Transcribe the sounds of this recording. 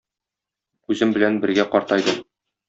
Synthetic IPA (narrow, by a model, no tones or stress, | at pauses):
ʉzɘmbɘ̆lænbɘ̆ɾɡæqɒɾt̪ɑjd̪ɤ